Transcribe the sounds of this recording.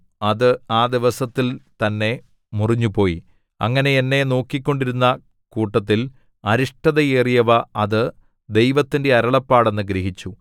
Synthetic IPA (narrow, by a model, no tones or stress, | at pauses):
ɐðɨaːd̪iʋɐsɐt̪ːilt̪ɐnːe̞ | muriɲːupo̞ːji | ɐ̰ŋːɐne̞enːe̞no̞ːkːikʲːo̞ɳɖiɾunːɐ | kuːʈːɐt̪̬ːil | ɐɾiʂʈɐðɐeːrijɐʋɐɐðɨ | d̪e̞jʋɐt̪ːinde̞ɐɾɐɭɐpːaːɽe̞nːɨɡɾeɦit͡ɕːu